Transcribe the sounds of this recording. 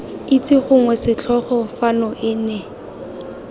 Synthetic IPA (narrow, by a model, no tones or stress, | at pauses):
it͡sʼɪχʊŋwɛsɪt͡ɬʰɔχɔfanɔʔɪːnɛ